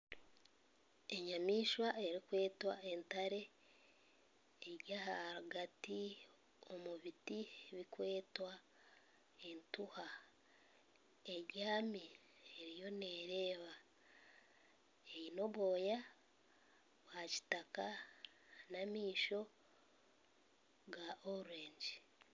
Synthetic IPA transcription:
e̞ɲamiːʃwae̞ɾikwe̞ːtwae̞ntaɾe̞ | ɟahaɾuɡati | o̞muβitieβikwe̞ːtwa | e̞ntuha | e̞ɾjaːmi | eɾijo̞ne̞ɾe̞ːβa | eino̞βo̞ːja | βwaci̥taka | namiːʃo̞ | ɡaʔoɾuɾe̞ːɲɟi

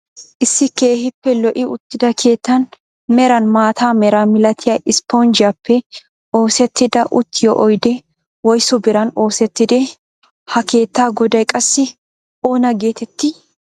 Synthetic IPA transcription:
ʔɪsːɪkeːhɪpːɛlɔʔɪʊt̪ːɪd̪ɐkʰe̞ːt̪ːɐn | mɛɾɐnmaːt̪ʰaːmɛɾamɪlɐt̪ʰɪjɐɪspond͡ʒɪɐpʰːɛ | ʔo̞ːsɛt̪ːɪd̪ɐʔʊt̪ːɪjɔ̰ʔɔjd̪ɛ | wɔjsɔbɪɾɐno̞ːsɛt̪ːɪd̪e | hɐke̞ːt̪ːaːɡɔd̪ɐjkʼɐsːɪ | ʔoːnɐɡe̞ːt̪ɛt̪ːɪ

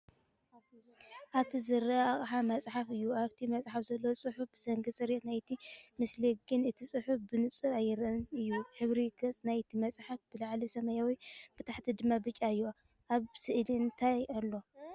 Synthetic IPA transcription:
ʔaβt̪ʰizɨɾɐaχʼħamɐt͡sʼħafɨjːuaβt̪ʰimɐt͡sʼħafzɐlːosʼɨħufb̥ɨsɐŋɡɨsʼɨɾit̪najt̪ʰimɨsliɡɨnɨt̪ʰisʼɨħufbɨnɨt͡sʼɨajːɨɾɐnɨjːuħɨβɾiɡɐt͡sʼnajt̪ʰimɐt͡sʼħafb̥ɨlaʕlisɐmɐjawib̥ɨt̪ʰaħt̪ʰid̪ɨmːabɨt͡ʃʼaɨjːo | ʔaβsɨʔliɨnt̪ʰajalːo̞

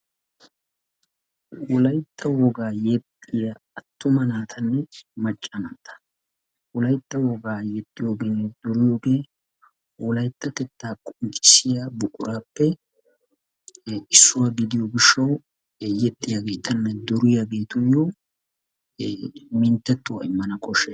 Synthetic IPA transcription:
wɔlɐjt̪ʰʼːɐwɔɡaːjɛt̪ʼːɪjaɐt̪ːʊmɐnaːt̪ʰɐnːɛmɐt͡ʃʼːɐnaːt̪ɐ̥ | wɔlɐjt̪ːɐwɔɡaːjɛt̪ʼːɪjoːɡe̞ːnːɛd̪̥ɔɾɪjo̞ːɡeː | wɔlɐjt̪ːɐkɛt̪ːaːkʼʊnt͡ʃʼːɪ̥sɪjabʊkʼʊɾaːpːɛ | ʔɪsːʊwaːɡɪd̪ɪjoːɡɪʃːɐw | jɛt̪ʼːɪjaɡe̞ːt̪ɐnːɛd̪ɔɾɪjaɡeːt̪ʊnjo | mɪnt̪ːɛt̪ːʊwɐɪmːɐnɐkʼɔʃɛ

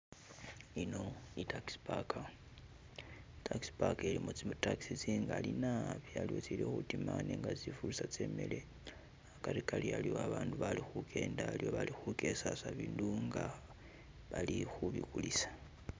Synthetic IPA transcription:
ino̞itakspaka | tʰakspakelimot͡simtaki̥sit͡siŋɡalinaβialiwo̞t͡silixutimaneŋɡat͡sifulusat͡se̞ːmele̞ | akaɾikalialioaβaːnduβalixukʰe̞ːndaljo̞βalixuke̞sasaβiːnduŋɡa | βalixuβikulisḁ

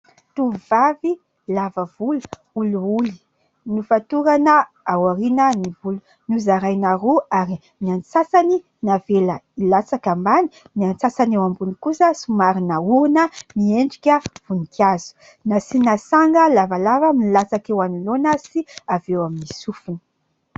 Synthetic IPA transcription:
t̪uvavi | lavəvulu̥ | uluuli̥ | nifat̪uɾanə | awaɾinənivulu | nuzaɾajnaɾoaɾi | niant͡sasani | naveləilat͡sakambani̥ | niant͡sasanewambunikusəsumaɾinəuɾunənieɳɖ͡ʐikʲəv̥unik̪iazu̥ | nasinasaŋɡəlavalavəmilat͡sakewanulonəsiavewaminisufinə̥

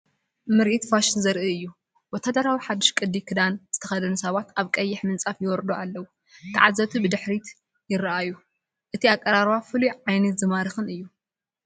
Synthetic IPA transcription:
mɨɾʔit̪faʃɪnzɐɾʔɨɨjːu | wɔt̪ʰad̪ɐɾawiħad̪ːɨʃkʼɨd̪ikʰɨd̪anz̥ɨt̪ʰɐxɐd̪ɐnsɐβat̪ʔaβkʼɐjːɪħmɨnt͡sʼafjɪwɔɾd̪oalːɐwu | t̪ʰɨʕazɐt̪ʰibɨd̪ɨħɾit̪ | jɪɾɐʔaju | ʔɨt̪ʰiakʼːɐɾaɾβafɨluʕʕajnɐt̪zɨmaɾɨxɨnɨjːu

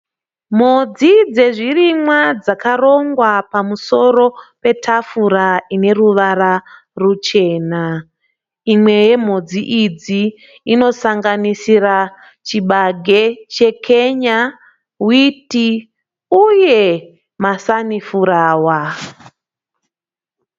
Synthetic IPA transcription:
m̤od͡zid͡ze̞ʐirimwad͡zakaro̞ŋɡwapamuso̞ɾo̞pe̞tʰafuɾaine̞ɾuʋaɾa | rut͡ʃe̞ːna | imwe̞je̞m̤od͡ziʔid͡ziː | no̞saŋɡanisira | t͡ʃiɓaɡʱe̞t͡ʃe̞kʰe̞ɲa | witi | uje̞ | masanifuɾaːwa

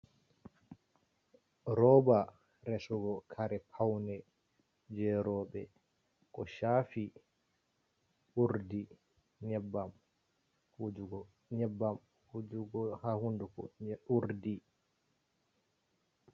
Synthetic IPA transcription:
ɾɔba | ɾɛsɔɡɔkʰaɾɛpʰawnɛ | d͡ʒɛɾɔɓɛ | kɔʃaːfi | uɾdi | ɲɛbːam | hud͡ʒuɡɔ | ɲɛbːam | hud͡ʒuɡɔhahundukɔ̰uɾdi

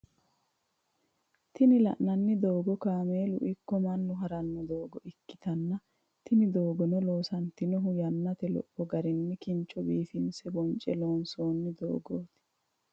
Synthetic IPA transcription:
t̪ɪnɪlɐ̰ʔnɐnːɪd̪o̞ːɡɔkaːme̞ːlʊ̰ʔɪkːɔmɐnːʊɦɐɾɐnːɔd̪o̞ːɡɔʔɪkːɪ̥t̪ɐnːɐ | t̪ɪnɪd̪o̞ːɡɔnɔloːsɐnt̪ɪnɔɦʊjɐnːɐt̪ɛlɔ̰pːɔɡɐɾɪnːɪkɪnt͡ʃːɔbiːfɪnsɛbɔnt͡ʃʼːɛloːnso̞ːnːɪd̪o̰ːɡoːt̪ɪ̥

